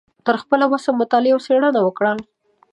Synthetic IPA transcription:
t̪əɾxpəlawasamʊt̪ɑlɪawseɽənawəkɽa

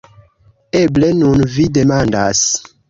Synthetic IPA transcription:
eblenunvidemandas

